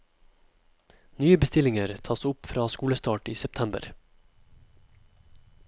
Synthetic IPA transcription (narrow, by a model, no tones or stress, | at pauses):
nyːəbəst̪ɪlɪŋəɾt̪ʰɑːsʊpfɾɑːskuːləst̪ɑːʈiːsɛp̚t̪ʰæmbə̰ɾ